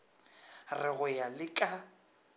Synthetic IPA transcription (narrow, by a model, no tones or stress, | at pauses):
rɪɣʊjalɪkʼa